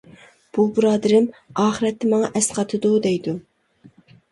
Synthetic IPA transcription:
b̥ubɨɾɑːd̪ɪɾɪmɑːχɨɾɛt̪ʰːɪmɑŋɑʔɛsqɑt̪ʰɨd̪ud̪ɛjd̪u

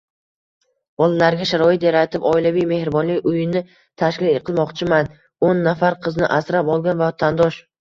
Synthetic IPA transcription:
b̥ɒlˠalaɾɡʲaʃaɾɒɪt̪jaɾat̪ʰɪpɒɪlavijme̞hɾɪbɒnlɪjʊjɪnɪ | t̪ʰaʃkʲɪlqʰɨlˠmɒqt͡ʃʰɪman | onːafaɾqʰɨznɪ̰ʔasɾapɒlˠɡʲanvat̪ʰand̪ɒʃ

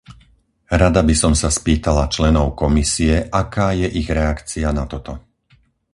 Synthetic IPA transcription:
ɾad̪abisɔmsaspiːt̪alat͡ʃlɛnɔʊkɔmisiɛʔakaːjɛʔiɣɾɛakt͡sianat̪ɔt̪ɔ

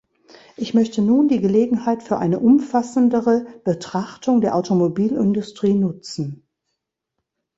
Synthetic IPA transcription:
ʔɪçmœçtənuːndiːɡəleːɡŋ̩haɪtfyːɐʔa̰ɪnəʔʊmfasn̩dəʁəb̥ətʁ̥aχtʰʊŋdeːɐʔaʊtomobiːlɪ̰ndʊstʁ̥iːnʊt͡sn̩

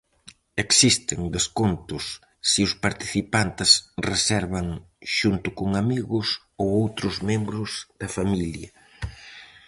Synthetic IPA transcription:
eksist̪ɪŋd̪eskont̪ʊsː | ɪʊspaɾt̪i̥θipant̪ɪsresɛɾβɐŋ | ʃunt̪ʊkʊŋamiɣʊs | owowt̪ɾʊzmẽmbɾʊzð̥ɐfamiljɐ

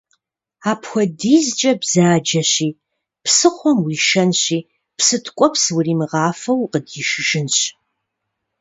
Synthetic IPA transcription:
aːpxʷɔdiːzt͡ʃʼɐbz̥aːd͡ʒɐɕiː | psɨχʷɔmwiːʃɐnɕiː | psɨtʰkʷʼɔpswʊriːmɨʁɑːfɐwqədjɪʃɪʒɪnɕ

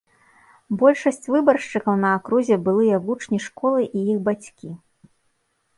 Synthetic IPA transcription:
bɔlʲʂɐsʲt͡sʲvɨbɐrʂt͡ʂɨkɐwnɐːkɾuzʲɛbɨlˠɨjɐvut͡ʂnʲiʂkɔlˠɨʔijiɣbat͡sʲkʲi

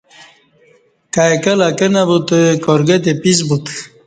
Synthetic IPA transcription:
kajkɐlakenabut̪koɾɡet̪̬epis̬but̪

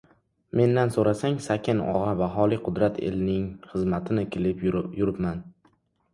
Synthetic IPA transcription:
me̞nd̪ansoɾasaŋsakʲʰɪnɒ̰ʁɑvaɦɒlˠiqʰʊd̪ɾat̪ʰḛlnɪŋχɨzmat̪ʰɪnɪkʲʰɪlɪpjʊɾɪpman

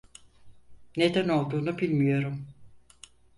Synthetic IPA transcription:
ne̞d̪æno̞lˠd̪uːnubilʲmijo̞ɾum

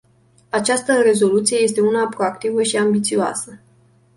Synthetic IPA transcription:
at͡ʃast̪əre̞zo̞lut̪sije̞je̞st̪e̞unapɾo̞akt̪ivəʃiambit̪sioa̰sə

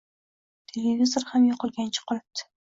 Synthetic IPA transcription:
t̪ʰelevʲizoɾhamjoqəlˠɡʲænt͡ʃʰɪ̥qʰʊlap̚t̪ʰːɪ̥

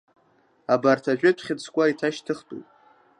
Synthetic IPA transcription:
abartʰaʒʷᶣʏtʰχʲɪt͡sʰkʷʼaitʰaʃtʰɨχtʼṵpʼ

